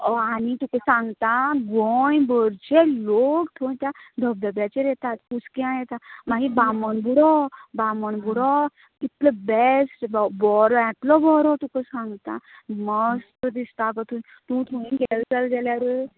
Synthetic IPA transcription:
ɔanit̪ũkẽsãŋɡt̪aɡɔjbɔɾt͡ɕelokt̪ʰõj̃t̪jad̪ʱəbd̪əbjat͡ɕeɾɛt̪at̪kuskiãjɛt̪amãɦibamənbuɽɔbamənbuɽɔ | kit̪ləbesʈbbɔɾɛ̃ʈ̪lɔbɔɾɔt̪ũkə̃sãŋɡt̪aməst̪əd̪ist̪akɔt̪ʰũ | t̪ũt̪ʰuɽ̃ĩɡɛld͡zəlɡ̪ɛljaɾə

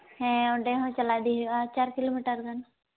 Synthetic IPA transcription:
hɛ̃ɔɳɖeɦɔ̃t͡ʃɐlad̪iɦat͡ʃaːɾkiloːmiʈəɾɡan

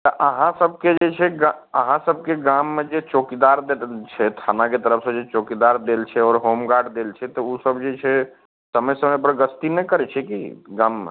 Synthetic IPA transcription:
t̪əʔəɦãsəb̚ʱked͡ʒet͡ʃʰɛɡa | əɦãsəb̚ʱkeɡamːed͡ʒet͡ʃokid̪aɾd̪elt͡ʃʰɛt̪ʰanaket̪əɾəpʰsə̃d͡ʒet͡ʃokid̪aɾd̪elt͡ʃʰɛɔːɾɦomɡaɖd̪elt͡ʃʰɛt̪ɔusəbd͡ʒet͡ʃʰɛ | səməjsəməp̬əɾɡəst̪inɛkəɾɛt͡ʃʰɛkiɡãmːḛ

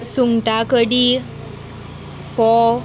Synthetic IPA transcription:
suŋʈakəɽi | fɔ

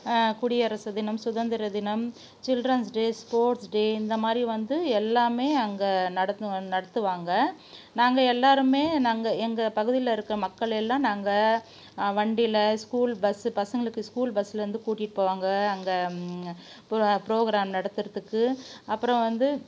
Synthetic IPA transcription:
kʊɽɪjɐɾɐsɐd̪ɪnɐmsʊðɐnd̪ɪɾɐd̪ɪnɐm | t͡ʃɪlɖrɐnsɖeːspoːɾʈsɖeːɪnd̪ɐmaːd̪ɾiʋɐnd̪ɯɛlːaːmeːɐŋɡɐnɐɽɐt̪nɐɽɐt̪ːɯʋaːŋɡɐ | naːŋɡɐɛlːaːɾɯmeːnaːŋɡɐɛŋɡɐpɐɣɯðɪlɐɪɾɯkːɯɾɐmɐkːɐɭɛlːãːnaːŋɡɐ | ʋɐɳɖɪlɐskuːlbɐsɯpɐsɐŋɡɐɭɯkːɯskuːlbɐsːɪlɐɾɯnd̪ɯkuːʈːɪʈːɯpoːʋaːŋɡɐːŋɡɐ | pɪɾoːɣɪɾaːmnɐɽɐt̪ːɯɾɐðɯkːɯɐpːɯɾɐ̃ʋɐnd̪ɯ

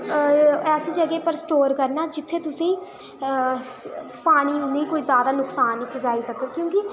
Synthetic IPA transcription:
ɛːseːd͡ʒəɡeːpəɾsʈoːɾkəɾnaːd͡ʒɪt̪ʰːeːt̪ʊsĩː | paːɽ̃iːnẽːkoːiːzjaːd̪aːnʊksaːnːĩːpəd͡ʒaːiːsəkət̪̚kjõːkɪ

